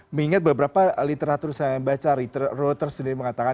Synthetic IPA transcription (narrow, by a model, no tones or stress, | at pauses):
məŋiŋat̪̚bəbəɾapalit̪eɾat̪ursaŋanbat͡ʃaɾit̪rot̪ərsənɪməŋat̪aka